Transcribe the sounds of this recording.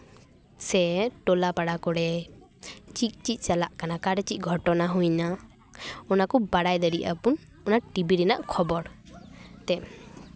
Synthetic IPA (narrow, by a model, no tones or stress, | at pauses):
sɛʈɔlapaɽakɔɽɛ | t͡ʃit̪̚ˀt͡ʃit̪̚ˀt͡ʃalaʔkanakaɽɛt͡ʃit̪̚ˀɡʱɔʈɔnaɦujna | ɔnakɔbaɽajd̪aɾiʔa̰pun | ɔnaʈibiɾɛna̰ʔkʰɔbɔɾ | t̪ɛ